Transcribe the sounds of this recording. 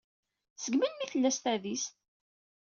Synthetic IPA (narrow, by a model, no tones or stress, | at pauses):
səɡmənmiθəlːæst̪æðist̪